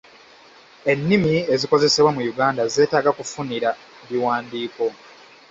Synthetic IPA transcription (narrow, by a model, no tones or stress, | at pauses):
e̞nːimie̞ziko̞ze̞se̞βwamujuɡaːndaze̞ːtaːɡakufuniɾa | βiwaːndiːko̞